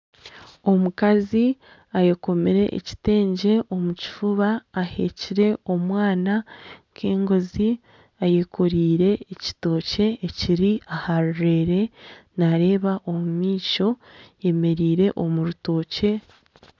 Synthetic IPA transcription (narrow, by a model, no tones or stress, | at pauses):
o̞mukazi | aje̞ko̞meɾe̞̰ʔḛci̥te̞ːɲɟe̞ʔo̞muci̥fuβaːhe̞̰ːciɾe̞o̞mwaːnaŋkʰe̞ːŋɡo̞zi | ajeko̞ɾiːɾe̞ːci̥to̞ːce̞ːciɾiahaɾuɾeɾe̞naɾe̞ːβaʔo̞mumiːco̞je̞me̞ɾiːɾe̞ʔo̞muɾuto̞ːce̞